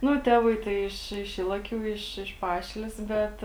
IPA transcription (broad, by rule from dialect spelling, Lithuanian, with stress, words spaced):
ˈnʊ ˈtʲæːʋɐɪ tɐɪ ˈɪʃ ɪʃ iːlˠɐˈkʲuː ɪʃ ɪʃ ˈpɑːʃʲɪlʲeːs ˈbʲɛt